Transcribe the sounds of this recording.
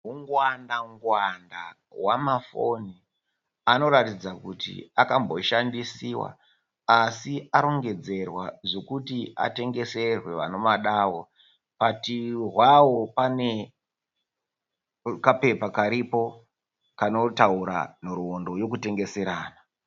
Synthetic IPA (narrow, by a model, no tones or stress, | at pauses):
ɦuŋɡwandaŋɡwanda̰ | wamafo̞̰ni | ano̞ɾatid͡zakutḭakambo̞ʃandisiwa̰ | asiaɾo̞ŋɡe̞d͡ze̞rwaʐo̞kutiʔa̰te̞ŋɡe̞se̞rwe̞ʋa̰no̞maɗaːwo̞ | patirwawo̞pane̞ | kape̞pakaɾipo̞ | kano̞tauɾa̰noɾuondo̞jo̞kute̞ŋɡe̞se̞ɾaːna